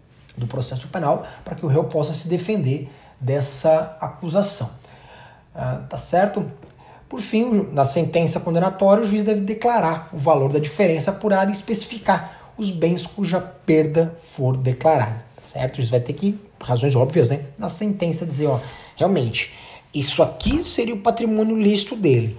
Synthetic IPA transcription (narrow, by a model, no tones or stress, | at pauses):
d̪ʊpɾosɛsʊ̥pẽnawpɾɐkɪʊɦewpɔsɐsɪd̪efẽnd̪eɾ | d̪ɛsɐakuzasɐ̃w̃ | ɛt̪asɛɾt̪ʊ | poɾfĩʊnɐsẽnt̪ẽsɐkõnd̪ẽnat̪ɔɾjɐʊʒuizd̪ɛvɪd̪eklaɾaɾʊvaloɾd̪ɐd͡ʒifeɾẽsɐːpuɾad̪ɐɪispesi̥fikaɾ | ʊzbẽj̃skuʒɐpeɾd̪ɐfoɾd̪eklaɾa̰d̪ɐt̪ḁsɛ̰ɾt̪ʊʒuizvajt̪ekɪ | hazõj̃zɔbviɐznɛnɐsẽnt̪ẽsɐd͡ʒizeɾɔheawmẽnt͡ʃɪ̥isʊakiĩseɾiʊpat̪ɾimõnjʊlist̪ʊd̪elɪ